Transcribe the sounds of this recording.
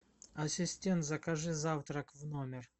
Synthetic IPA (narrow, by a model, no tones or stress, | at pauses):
ɐsʲɪsʲtʲent̪zɐkɐʐɨzaft̪ɾəkvnomʲɪr